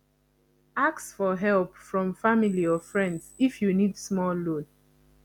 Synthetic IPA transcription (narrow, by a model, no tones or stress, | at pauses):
aksfɔɦɛlpfɹɔ̃mfamiliɔfɹɛ̃ndsifjunidsmɔllod